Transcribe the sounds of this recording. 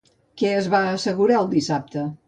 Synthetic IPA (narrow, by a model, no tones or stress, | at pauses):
kɛəzβaəsəɣuɾaəlˠd̪isap̚t̪ə